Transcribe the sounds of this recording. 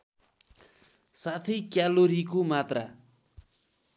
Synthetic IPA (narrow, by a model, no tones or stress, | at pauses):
sat̪ʰʌjkjaloɾikomat̪ra